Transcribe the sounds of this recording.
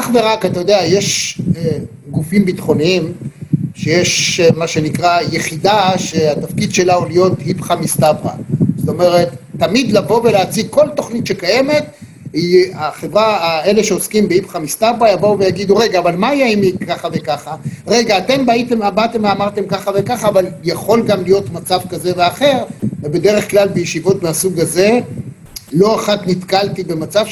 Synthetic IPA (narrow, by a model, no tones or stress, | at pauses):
aχve̞ʁakat̪ajo̞d̪eaje̞ʃe | ɡufimbitχo̞nimʃejeʃmaʃe̞nikʁaje̞χid̪aʃeat̪afkid̪ʃe̞laolijo̞thipχamist̪abʁa̰zot̪o̞me̞ʁe̞t̪ːamid̪lavo̞ve̞leat͡siɡ̚ko̞lto̞χnit̪ʃe̞kaje̞me̞t̪ | iaχe̞vʁae̞le̞ʃe̞oskimbeipχamist̪abʁajavouvejaɡid̪uʁe̞ɡaːvalmajaimikʰːaχave̞kaχaʁe̞ɡaːte̞mbait̪emabat̪e̞meamaʁt̪e̞mkaχave̞kaχaːvaljaχo̞lɡamlijo̞tmat͡savkaze̞veaχe̞ʁvebe̞de̞ʁe̞χklalbejeʃivo̞tbeasuɡaze̞ | lo̞aχatnitkaltibe̞mat͡sav